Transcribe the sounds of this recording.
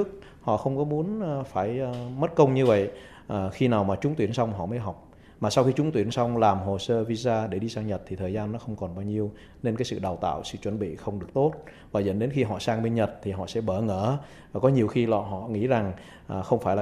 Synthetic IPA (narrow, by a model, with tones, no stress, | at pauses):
ək̚ | hɔ̰˧˨xə˧wŋ͡mkɔ˨˦mu˨˦ənː˨˩faː˧˩jːmə˦˥t̚kə˧wŋ͡mɲɨ˧və̰˧˨j | ʔəː˨˩xi˧naː˨˩wmaː˨˩t͡ɕʊ˨˦ŋ͡mt̪wi˧˩ənsa˧wŋ͡mɦɔ̰˧˨məː˨˦jɦa˨˩wk͡p̚ | maː˨˩sa˧wxi˧t͡ɕʊ˨˦ŋ͡mt̪wi˧˩ənsa˧wŋ͡mlaː˨˩mɦo˨˩səː˧vi˧zaː˧ɗe˧˩ɗi˧saː˧ŋɲə˨˩t̚t̪ʰi˨˩əː˨˩jzaː˧nːɔ˨˦xə˧wŋ͡mkɔ˨˩nɓaː˧wɲi˧əw | ne˧nkaː˨˦jsɨ̰˧˨ɗa˨˩wt̪a̰ː˧˨wsɨ̰˧˨t͡ɕwə˧˩nɓḭ˧˨xə˧wŋ͡mɗɨ˨˩ək̚t̪o˦˥t̚ | vaː˨˩zə̰˧˥nɗe˨˦nxi˧ɦɔ̰˧˨saː˧ŋɓe˧nɲə˨˩t̚t̪ʰi˨˩ɦɔ̰˧˨sɛ̰˧˥ɓəː˧˩ŋəː˧˩ | aː˨˩kɔ˨˦ɲi˨˩əwxi˧lɔ̰˧˨ɦɔ̰˧˨ŋḭ˧˥za˨˩ŋ | ʔːxə˧wŋ͡mfaː˧˩jlaː˨